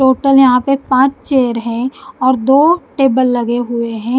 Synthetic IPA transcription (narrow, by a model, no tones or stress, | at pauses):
ʈoːʈəljɐɦãpepãːt͡ʃt͡ʃeːəɾɦɛ̃ɔːɾd̪oːʈeːbəlːɐɡeɦʊeɦɛ̃ː